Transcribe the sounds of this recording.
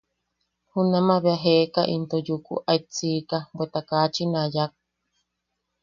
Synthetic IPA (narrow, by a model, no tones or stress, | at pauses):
hunãmãβeaɦekaʔint̪ojukṵʔait͡sikabwet̪akat͡ʃinãjak̚